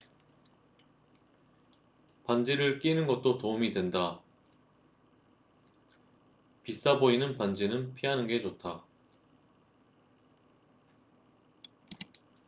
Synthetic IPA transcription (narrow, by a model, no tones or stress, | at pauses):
pand͡ʑiɾɯɭk͈inɯnɡʌt̚t͈otoumidwe̞nda | pis͈aboinɯnpand͡ʑinɯnpʰiɦanɯnɡe̞t͡ɕotʰa